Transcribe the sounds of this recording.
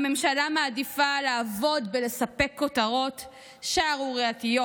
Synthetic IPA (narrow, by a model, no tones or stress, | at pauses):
me̞mʃalamaːdifalaːvo̞dbele̞sape̞kːotaʁo̞t | ʃaaʁuʁeatijo